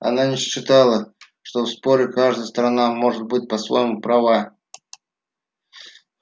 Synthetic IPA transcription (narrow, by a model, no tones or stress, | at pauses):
ɐ̰nanʲɪɕɕːɪt̪alˠə | ʂt̪ofspoɾʲɪkaʐd̪əjəst̪ɾɐnamo̞ʐɨt̪̚bɨt̚ʲpəsvo̰jmupɾɐva